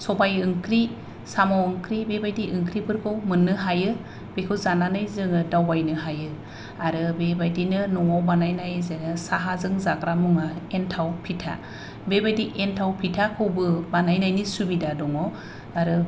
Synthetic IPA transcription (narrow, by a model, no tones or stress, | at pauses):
sɔbajɯŋkʰɾi | samɔwɯŋkʰɾibebajdiʔɯŋkʰɾipʰɯɾkʰɯwmɯnːɯɦajɯ | b̥ekʰɯwzananɯjzɯŋɯdawbajnɯɦajɯ | aɾɯbebajdinɯnɔŋɔwbanajnajzeŋɯsaɦazɯŋzakɾamuŋaentʰawpʰitʰa̰ | bebajdiʔentʰawpʰitʰakʰɯwbɯbanajnajnisubidadɔŋɔ | aɾɯ